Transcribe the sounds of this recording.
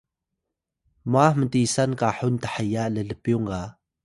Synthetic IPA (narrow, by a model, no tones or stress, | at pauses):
mahmətisankaħʊntḁħəjaʔlələpjuŋɡa